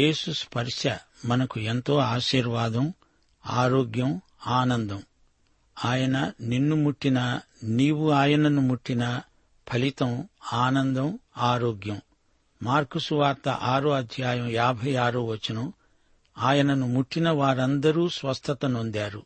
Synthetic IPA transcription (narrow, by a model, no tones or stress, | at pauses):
e̞ːsuspʰɐɾʂjɐmɐnɐkue̞nt̪o̞ːaːʃiːɾʋaːd̪ɐm | aːɾoːɡjɐm | aːnɐnd̪ɐm | aːjɐnɐninːumuʈːinɐ | niːwuaːjɐnɐnumuʈːinɐ | pʰɐlit̪ɐmaːnɐnd̪ɐmaːɾoːɡjɐm | maːɾkusuʋaːɾt̪ɐ̰ʔaːɾoɐd̪ʱjaːjɐmjaːbʱɐjaːɾɐʋɐt͡ʃːɐnɐm | aːjɐnɐnumuʈːinɐʋaːɾɐnd̪ɐɾuːsʋɐst̪ʰɐt̪ɐnond̪aːɾu